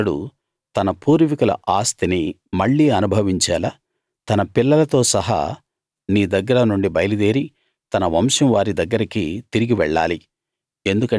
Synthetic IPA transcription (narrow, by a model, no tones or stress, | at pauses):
ɐɽṵ | t̪ɐnɐpuːɾʋikulɐ̰ʔaːst̪ini | mɐɭːiːɐnubʱɐʋiɲt͡ʃaːla | t̪ɐnɐpilːɐlɐt̪o̞ːsɐɦa̰ | niːd̪ɐɡːɐɾɐnuɳɖibɐjɐlud̪eːɾi | t̪ɐnɐʋɐmʂɐmʋaːɾid̪ɐɡːɐɾɐkḭt̪iɾiɡiʋɛɭːaːli | e̞nd̪ukɐ